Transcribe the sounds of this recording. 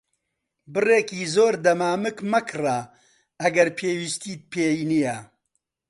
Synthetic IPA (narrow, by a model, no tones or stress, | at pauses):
bɨreːkiːzoːɾd̪ɐmaːmɨkmɐkʰɨra | ɐɡɐɾpʰeːwist̪iːd̪̚pʰeːjinijɛ